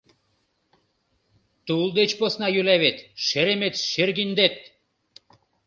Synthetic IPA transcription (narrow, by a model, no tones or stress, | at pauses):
t̪ulˠd̪et͡ɕposnɑjylæβet̪ʃeɾemet̪ʃerɣind̪et̪̚